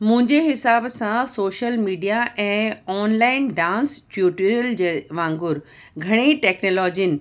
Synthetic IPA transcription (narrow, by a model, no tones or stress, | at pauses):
mʊ̃ɦɪ̃ɲd͡ʑeɦɪsaːbsãsoːʃəlmiːɖijaʔɛ̃ːɔːnlaːɪnɖãːnsfjuːʈiɾəld͡ʑeːʋãːŋɡʊɾ | ɡʱɐɽ̃eʈɛːknoːlɔːd͡ʑiənɪ̆